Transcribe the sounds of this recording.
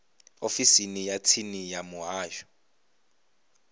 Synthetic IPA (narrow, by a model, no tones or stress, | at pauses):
ofisinijatʰinijamuɦaːʒɔ̥